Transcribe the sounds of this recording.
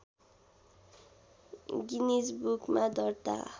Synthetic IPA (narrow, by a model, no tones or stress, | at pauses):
ɡinisbukmad̪ɔɾt̪a̰